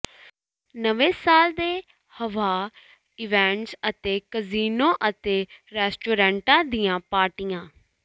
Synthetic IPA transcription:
nəʋeːsaːld̪eː | həʋaː | ɪʋɛ̃ːɳʈsət̪eːkəziːnoːʔət̪eːɾɛːsʈoːɾɛ̃ːɳʈãːd̪ijãːpaːʈijãː

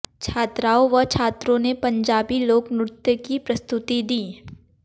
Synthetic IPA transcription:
t͡ʃʰaːt̪ɾaːoʋɐt͡ʃʰaːt̪ɾõnepɐ̃ɲd͡ʒaːbiloːknʊɾt̪jəkipɾɐst̪ʊt̪id̪iː

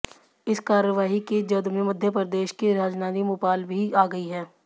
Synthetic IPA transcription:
ɪskaːɾəʋaːɦiked͡ʒɐd̪mẽmɐd̪ʱjəpəɾd̪eːʃkeɾaːd͡ʒnaːnimʊːpaːlbʱiaːɡɐiɦɛ̃ː

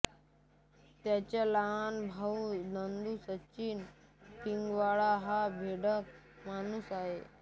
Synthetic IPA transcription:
t̪jat͡ɕjalaɦanbʱaunənd̪usət͡ɕiːnkiŋɡʋaɭaɦabʱeɽək̚ | manusaɦe

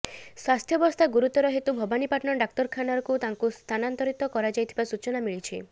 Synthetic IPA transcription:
swast̪ʰjɔbɔst̪ʰaɡuɾut̪ɔɾɔɦet̪ubʱɔbanipaʈnɔɖak̚t̪ɔɾkʰanaɾɔkut̪aŋkust̪ʰanant̪ɔɾit̪ɔkɔɾad͡ʒajt̪ʰibasut͡ʃɔnamiɭit͡ʃʰi

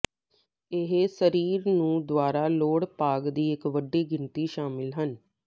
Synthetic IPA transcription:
ɪɦesəɾiːɾnũːd̪waːɾaːloːɽpaːɡd̪iːɪkʋəɖiːɡɪnt̪iːʃaːmɪlɦən

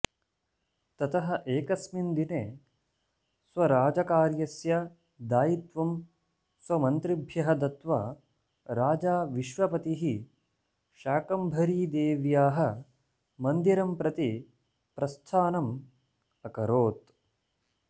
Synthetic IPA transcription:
t̪ɐt̪ʰɐɦɐ̆ʔeːkɐsmind̪ineː | sʋɐɾaːd͡ʒɐkaːɾjɐsjɐ | d̪aːjit̪ʋɐm | swɐmɐnt̪ɾibʱjɐɦɐd̪ɐt̪ʋɐ̰ | ɾaːd͡ʒaːʋiʃʋɐpɐt̪iɦi | ʃaːkɐmbʱɐɾiːd̪eːʋjaːɦɐ | mɐnd̪iɾɐmpɾɐt̪i | pɾɐst̪ʰaːnɐm | ɐkɐɾoːt̪̚

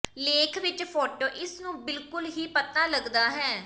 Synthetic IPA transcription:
leːkʰʋɪt͡ʃpʰɔːʈoːʔɪsnũːbɪlkʊlɦiːpət̪aːləɡd̪aːɦɛː

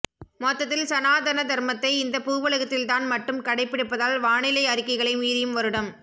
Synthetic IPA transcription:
moːt̪ːɐt̪ːɪlsɐnaːd̪ɐnɐd̪ɐɾmɐt̪ːɐɪɪnd̪ɐpuːʋɐɭɐɣɐt̪ːɪlt̪aːnmɐʈːɯmkɐɽɐɪpːɪɽɯpːɐðaːlʋaːɳɪlɐɪɐɾɪkːɐɪɣɐɭɐɪmiːðɪjɯmʋɐɾɯɽɐm

